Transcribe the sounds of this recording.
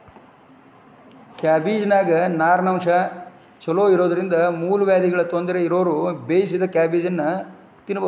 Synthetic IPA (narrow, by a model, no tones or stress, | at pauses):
kaːbiːd͡ʒɐnaːɡɐnaːɾɐnɐmʂɐ | t͡ʃɐloːiɾoːd̪ɐɾind̪ɐmuːluʋjaːd̪iɡɐɭɐt̪ond̪ɐɾeiɾo̞ːɾubeːjisid̪ɐkaːbiːd͡ʒɐnːɐ | t̪inːɐbɐ